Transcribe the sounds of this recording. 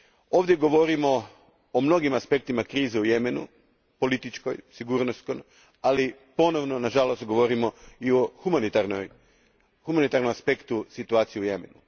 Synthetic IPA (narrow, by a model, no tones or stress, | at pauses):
o̞ːʋd̪jeɡo̞ʋo̞ɾimo̞ | omno̞ɡimaspe̞k̚t̪imakɾiːzeujemenṵ | po̞lit̪it͡ʃko̰jsiɡuːɾnost̪ko̞m | ali | po̞no̞ʋnonaʒalo̞st̪̚ɡo̞ʋo̞ɾimo̞ioxumanit̪aɾno̰j | humanit̪aɾno̞maspe̞kt̪usit̪uaːt̪sijiuje̞menu